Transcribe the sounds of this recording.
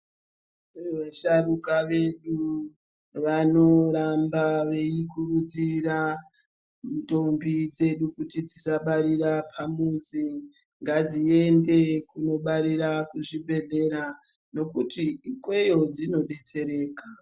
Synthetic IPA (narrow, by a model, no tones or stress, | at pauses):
ʋaʃarukaʋe̞ɗu | ʋano̞ɾambaʋe̞ikurud͡zira | to̞mbid͡ze̞ɗukutid͡zisaɓaɾirapʰamuzi | ŋɡad͡zie̞nde̞kuno̞ɓaɾiɾakuʐibʱe̞ɮe̞ɾa | no̞kutikwe̞jo̞d͡zino̞ɗe̞t͡se̞ɾe̞ːka